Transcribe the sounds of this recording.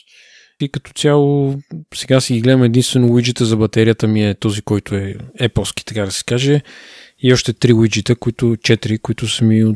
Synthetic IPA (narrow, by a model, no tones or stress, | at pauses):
ikɐt̪ɔ̥t̪sʲjalˠosɛɡasɛɡiɡlɛd̪əmɛd̪inst̪vɛnowid͡ʒit̪əzɐbɐt̪ɛɾijət̪əmiɛt̪ɔzikɔjt̪ʊɛɛpəlˠsk̟i̥t̪ɐkad̪ɐsɛ̥kaʒɛ | iɔʃt̪ɛt̪ɾiwid͡ʒit̪ɛkoit̪ʊt͡ʃɛt̪iɾikoit̪ʊsəmio